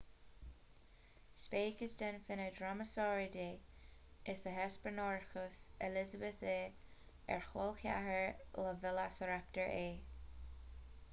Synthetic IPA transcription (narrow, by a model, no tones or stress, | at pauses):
speːkəsd̪ənfɪnədɹaməsɔːɹədeːʔɪsəɦɛspəɹnɔɹxəsɛlɪzəbəθeː | ɛ̰ɹxolxja̰həɹləvɪlasəɹap̚təɹʔeː